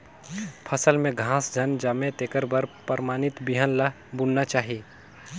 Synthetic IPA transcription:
pʰəsəlmẽɡʱãːsd͡ʒʱənd͡ʒaːmẽt̪eːkəɾbəɾpəɾmaːnɪt̪biɦənlə | bʊnnat͡ʃaːɦiː

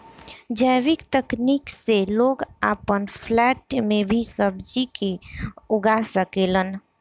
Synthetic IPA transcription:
d͡ʒəːʋɪkt̪əkniːkseloːɡaːpənpʰlɛːʈmẽbʱisəbd͡ʒikeʊɡasəkeːlən

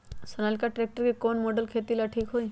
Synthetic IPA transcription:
sənalkaʈɾek̚ʈəɾkikonmoɖəlkʰet̪ilaʈʰiːkɦoi

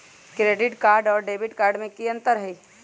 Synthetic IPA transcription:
kɾeːɖɪʈkaːɾɖɔːɾɖeːbɪʈkaːɾɖmẽkiə̃nt̪əɾɦɛi

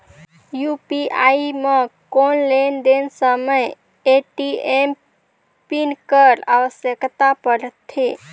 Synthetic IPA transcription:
jupiaimekonlend̪ensəməj | eʈiem | pinkəɾa̰ʋəsjəkt̪apəɾət̪ʰːe

